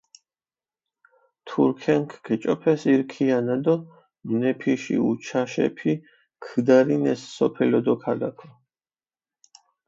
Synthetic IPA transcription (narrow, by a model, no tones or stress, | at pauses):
t̪ʰuɾkʰɛŋkʰkʰɛt͡ʃʼɔpʰɛsiɾkʰianad̪ɔ | mnɛpʰiʃḭut͡ʃʰaʃɛ̰pʰi | kʰd̪aɾinɛsːɔpʰɛlɔd̪ɔkʰad̪akʰɔ